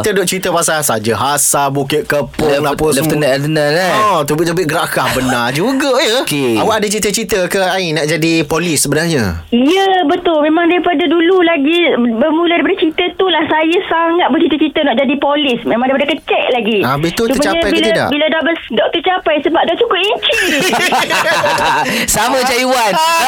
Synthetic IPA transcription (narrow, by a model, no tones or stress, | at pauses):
t̪ədɔʔt͡ʃɾit̪əpasasad͡ʒəɦasabukɪt̪̚kəpʊŋlapət̪ənadənaaɔt̪ubɪʔt̪əbɪʔɡəɾakahbənard͡ʒuɡəjəkawaʔadat͡ʃit̪ət͡ʃit̪əkəainaʔd͡ʒadipolisːəbənarɲə̰ | jəbət̪ʊlmẽmãŋdaɾipadadululaɡibəmuləadaɾipadat͡ʃit̪ət̪ulahsajasaŋat̪̚bərt͡ʃit̪ət͡ʃit̪ənaʔd͡ʒadipolɪsmẽmaŋdajpadəkət͡ʃɛʔ̚laɡiabit̪utsumt͡ʃaaajbilt̪ida̰ʔbiladabədɔk̚t̪ət͡ʃapajsəbap̚dɔʔt͡ʃukʊpiɲt͡ʃi | samãt͡ʃajuwan